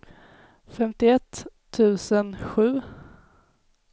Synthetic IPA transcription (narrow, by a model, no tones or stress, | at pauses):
fɛmt̪ɪɛt̪ʰː | ʉ̟ːsənɧʉ̟ː